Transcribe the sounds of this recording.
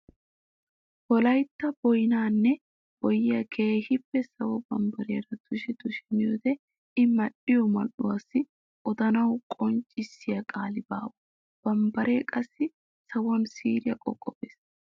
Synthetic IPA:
bɔlɐjt̪ːɐbɔjnaːnːɛ | bɔjɪjɐkʰeːhɪpːɛsɐwɔbɐmbɐɾeɾɐd̪̥ʊʃɛd̪ʊʃɛnɪjɔd̪ɛ | ɪmɐɗɪjɔmɐ̰ʔʊwɐsːɪ | ʔɔd̪ɐnɐwkʼɔnt͡ʃʼɪsːɪjɐkʼaːlɪba̰ːwɔ | b̥ɐmbɐɾeːkʼɐsːɪ | sɐwɔnsiːɾɪjɐkʼɔkʼːɔbeːs

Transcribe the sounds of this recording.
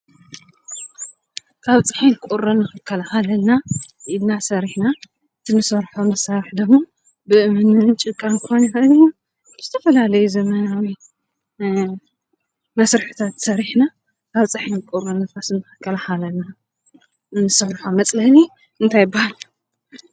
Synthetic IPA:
kʰaβt͡sʼɨħinkʼuɾɐnːɨxɨkʰːɐlahalɐlna | ʔid̪nasɐɾiħna | ɨt̪ʰinɨsɐɾħomɐsaɾɨħd̪ɨɡmo | bɨʔɨmɨnɨnt͡ʃʼɨkʼːankɨxonixɐɨniu | bɨz̥ɨt̪ʰɐfɐlalɐjuzɐmɐnawi | mɐsɾɨħɨ̥t̪ʰat̪sɐɾiħna | kʰaβt͡sʼɨħinkʼuɾɐnɨfasɨnːɨxɨkʰːɐlaxalɐlna | nɨsɐɾħomɐt͡sʼlɐni | ɨnt̪ʰajɪbːahal

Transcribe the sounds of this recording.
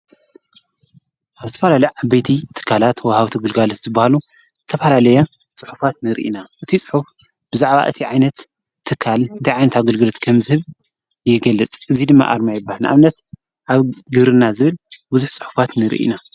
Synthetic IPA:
ʔaβzɨt̪ʰɐfɐlalɐjʕabɐjt̪ʰit̪ʰɨ̥kʰːalat̪wɔhawt̪ʰiɡɨlɡalot̪z̥ɨbːahalu | z̥ɨt̪ʰɐfɐlalɐja | t͡sʼɨħu̥fat̪nɨɾḭʔḭnaʔɨt̪ʰit͡sʼɨ̥ħuf | b̥ɨzaʕβa̰ʔɨ̰t̪ʰiʕajnɐt̪ʰː | ɨkʰːalɨt̪ʰajʕajnɐt̪aɡɐlɡɨlot̪kʰɐmzɨhɨβ | jɪɡɐlːɨt͡sʼɨzid̪ɨmːa̰ʔa̰ɾmajɪbːahalnʔa̰mnɐt̪ | ʔaβɡɨβɾɨnːazɨβɨlbuzuħt͡sʼɨ̥ħu̥fat̪nɨɾḭʔḭna

